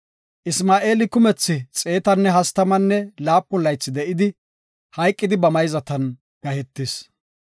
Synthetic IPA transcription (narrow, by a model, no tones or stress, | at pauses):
ʔɪsmaːʔe̞ːlɪkʊmɛt͡sːɪt͡sʼe̞ːt̪ɐnːɛɦɐst̪ɐmɐnːɛlaːpːʊlːɐjt͡sːɪd̪ɛʔɪd̪ɪ | hɐjkʼːɪd̪ɪbɐmɐjzɐt̪ɐn | ɡ̥ɐhɛt̪ːɪs